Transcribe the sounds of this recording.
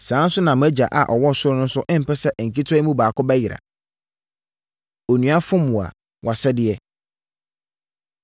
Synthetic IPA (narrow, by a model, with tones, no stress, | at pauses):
sãː˨˦n̩˦sʊ˦nã˨m̃˦æ˦d͡ʑa̰˨ʔa̰˨ʔɔ˨wɔ˦˨sʊ˦ɾʊ˦nʊ̃˦n̩˦sʊ˦ʔɪ̃˦m̩˨pɛ˦sɛ˦ʔŋ̩˨kʰi˦tʰɔ˦i˦mũ˦baː˨kʰʊ˦bɛ˦jɪ˨ɾa̰˨ | o˨nũ˨˦a˦fʊ̃˦mʊ̃˨a̰˨ | wʔa˨sɛ˦dɪ˨ɛ˦